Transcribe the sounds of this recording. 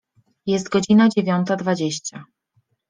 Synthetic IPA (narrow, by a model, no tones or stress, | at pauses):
jɛst̪̚ɡɔd͡ʑinad͡ʑevʲjɔnt̪ad̪vad͡ʑeɕt͡ɕa